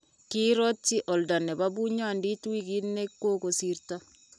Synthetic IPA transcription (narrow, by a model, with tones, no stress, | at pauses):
ki˦ɾo˦tiʔo˨lda˨ne˨βaβu˦ɲandi˦twi˦ɣi˦nːe˦kwo˦ko˨siɾta˦